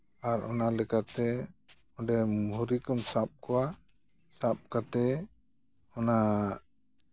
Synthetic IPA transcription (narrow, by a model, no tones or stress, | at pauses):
aɾʔɔnalɛkat̪ɛ | ɔɖɛmuɾikɔmsap̚kɔwa | sap̚kat̪ɛ | ɔna